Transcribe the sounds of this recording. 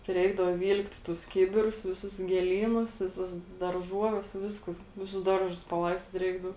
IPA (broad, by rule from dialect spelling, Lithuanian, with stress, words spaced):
tʲɪ ˈrʲɛɪɡdɐʋoː ˈʋʲiːlʲktʲ tʊs ˈkʲɪbʲɪrʊs ʋʲɪˈsʊs ɡʲeːˈlʲiːnʊs ʋʲɪˈsɐs dɐrˈʒuɔʋʲɛs ˈʋʲɪskʊ ˈʋʲɪˌsʊs ˈdɐrˌʒʊs pɐˈlˠɐɪsʲtʲiːt ˈrʲɛɪɡdɐʊ